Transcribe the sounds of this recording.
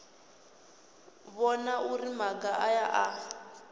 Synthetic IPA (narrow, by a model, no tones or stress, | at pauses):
βɔnaurimaɡaʔajaʔa